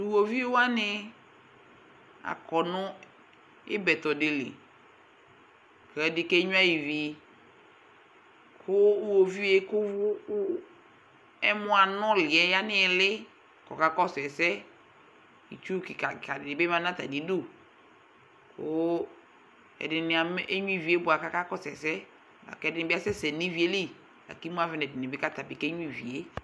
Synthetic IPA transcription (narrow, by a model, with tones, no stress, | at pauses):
u˨wo˨vi˦e˦wa˦nɪ˦ | a̰˨kɔ˨nʊ̃˦ | ɪ̰˦bɛ˨t̪ɔ˨dɪ˨lɪ̰˨ | kɛ˨dɪ˦kɛ˦ɲʊ̃˦a˦ji˨vi˨ | kʰʊ˦wo˨vi˦e˦kʊ˦ʊ˦ | ɛ˦mʊ̃˦a˨nɔ̃˦lɪ˨ɛ˦ja˦nɪ̃˦ɛ˨lɪ˦ | kɔ˨ka˦kɔ˦sɛ˨sɛ˦ | ḭ˨t͡ʃu˦ki˨ka˨ka˨dɪ˨dɪ˨bɛ˦ma˦nã˦ta˨di˨˦do˦˨ | kʰʊ˦ | ɛ̰˨dɪ˨nɪ˨a˨m˦ʔe˦ɲũ˦i˦˨vi˨e˦bʊ˨a˨ka˦ka˦kɔ˦sɛ̰˨sɛ˦˨ | a̰˨kɛ˦dɪ˦nɪ̃˨˦bɪ˦a˦sɛ˦sɛ˨ni˦vi˨˦e˦le˦˨ | a̰˨ki˦mu˦a˦vɪ˦nɛ˨dɪ˨nɪ˨bɪ˦ka˦ta˨bɪ˨kɛ˦ɲũ˦i˨vḭ˨e˦